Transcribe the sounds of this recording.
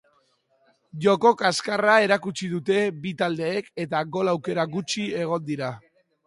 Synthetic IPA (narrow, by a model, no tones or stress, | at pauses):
ʝo̞ko̞kaskarae̞ɾakut͡ʃiðut̪e̞bit̪ald̪e̞ːke̞t̪aɣo̞lawke̞ɾaɡut͡ʃie̞ɣ̞o̞nd̪iɾa